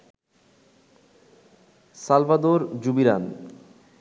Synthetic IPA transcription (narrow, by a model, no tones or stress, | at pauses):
salbad̪oɾd͡ʑubiɾan